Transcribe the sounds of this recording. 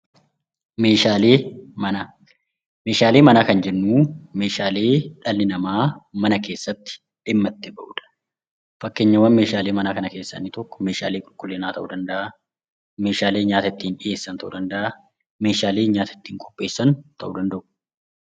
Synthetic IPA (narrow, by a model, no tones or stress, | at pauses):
meːʃaːleːmɐna | me̞ːʃaːle̞ːmɐnaːkɐnd͡ʒɛnːuːme̞ːʃaːle̞ːᶑɐlːɪnɐmaːmɐnɐke̞ːsːɐt̪ːɪ̥ | ᶑɪmːɐt̪ːɪbɐʔuːᶑ̪ɐ̥ | fɐkːeɲːɐwɐnme̞ːʃaːleːmɐnaːkɐnɐke̞ːsːɐ̰nːɪt̪ɔkːɔ̥me̞ːʃa̰ːleːkʼʊlkʼʊlːeːnaːt̪ɐʔuːd̪ɐnd̪ɐʔa | meːʃaːleːɲaːt̪ɐɪt̪ːiːnᶑɪje̞ːsːɐnt̪ɐʔud̪ɐnd̪ɐʔa | me̞ːʃaːleːɲaːt̪ɐɪ̥t̪ːiːŋkʼɔ̥pʼːe̞ːsːɐnt̪ʰɐʔuːd̪ɐnd̪ɐʔʊ̥